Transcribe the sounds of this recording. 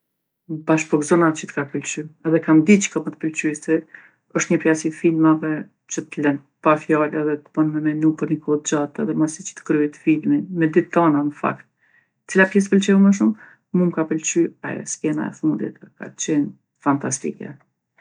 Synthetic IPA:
baʃpɔkzɔnat͡ʃət̪kapəlt͡ʃyɛðɛkamd̪it͡ʃə̥kɔmət̪ə̥pəlt͡ʃysi | ɔʃt̪ɲəpɾiasifilmavɛ | t͡ʃət̪əlɛnpafjalɛðɛt̪ə̥bənmɛmɛnupəɾnikɔt̪̚d͡ʒat̪ɛ̰ðɛmasit͡ʃə̥t̪ə̥kɾyɛt̪filminmɛd̪it̪ːɔnanəfa̰kt̪ | ə̥t͡silapjɛs̬t̪əpəlt͡ʃɛuməʃ̬um | mumkapəlt͡ʃya̰jɛ̰skɛna̰ɛ̰fund̪ḭt̪ka̰t͡ɕɛn | fant̪ast̪ḭkɛ̰

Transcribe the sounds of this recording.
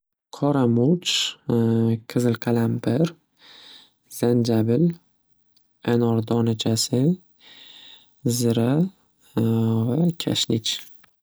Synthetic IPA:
qʰɒɾamut͡ʃ | kʰɨzɪlqʰalambɪɾ | z̥and͡ʒabɪl | anɒɾd̪ɒnat͡ʃʰasɪ | zɪɾa | vakʲʰa̰ʃnɪt͡ʃ

